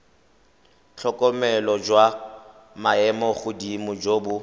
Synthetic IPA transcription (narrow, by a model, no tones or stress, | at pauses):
t͡ɬʰɔkʼɔmɛlɔd͡ʒwa | maɛmɔχʊdimʊd͡ʒoːbʊ